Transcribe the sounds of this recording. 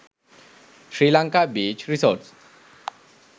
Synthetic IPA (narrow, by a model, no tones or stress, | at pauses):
ʃɾilaŋkabit͡ɕɾisoɾʈs